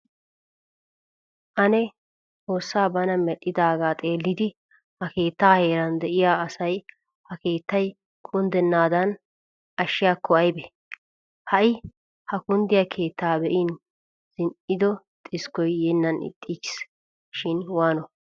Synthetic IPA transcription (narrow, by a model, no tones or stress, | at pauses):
ʔɐnɛ | ho̞ːsːaːbɐnɐmɛɗɪd̪aːɡaːt̪ʼeːlːɪd̪ɪ | hɐke̞ːt̪ːaːhe̞ːɾɐnd̪ɛʔɪjaːɐsɐj | hɐke̞ːt̪ːɐj | kʰʊnd̪ɛnːaːd̪ɐn | ʔɐʃːɪjaːkʰːɔɐjbɛ | hɐʔɪ | hɐkʊnd̪ɪjɐkʰe̞ːt̪ːaːbɛʔɪn | z̥ɪnʔɪd̪ɔ | t̪ʼɪskɔjːɛnːɐnɪ̰t̪ʼːit͡ʃɪ̥s | ʃɪnwaːnɔ